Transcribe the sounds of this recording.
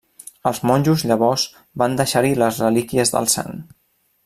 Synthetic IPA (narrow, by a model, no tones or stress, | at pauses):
əlˠzmɔnʲʒuzʎəβ̞ɔz | band̪əʃaɾiləzrəlikiəzðə̰lˠsa̰n